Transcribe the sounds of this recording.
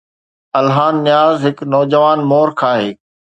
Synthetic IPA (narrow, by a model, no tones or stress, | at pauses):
ɐlɦaːnːɪjaːzɦɪknɔːd͡ʑəʋaːnmoːɾkʰaːɦeː